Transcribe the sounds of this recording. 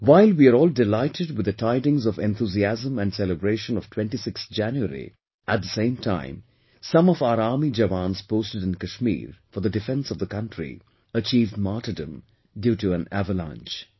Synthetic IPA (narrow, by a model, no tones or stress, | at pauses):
waɪlwiəɾɔːldɪlaɪtɨɖ̚wɪd̪ətʰaɪdɪ̃ŋzɔvɛ̃nt̪ʰuziæzə̃mæ̃nɖsɛləbɾeːʃə̃nɔv̥tʰw̥ɛ̃nʈisɪkst̪d͡ʒæ̃njuə̰ɾḭ | ʔæt̚d̪əsẽɪ̃mtʰãɪ̃m | sʌ̃mɔvaʊəɾaːɾmid͡ʒəʋãnz̥poʊstɨɾɪ̃nkəʃmḭːɹfɔəɾðədɨfɛ̃nsɔvd̪əkʌ̃nʈɹḭ | ət͡ʃiːvdmaːtədə̃m | djuːʈuæ̃næ̰vəlã̰nt͡ʃ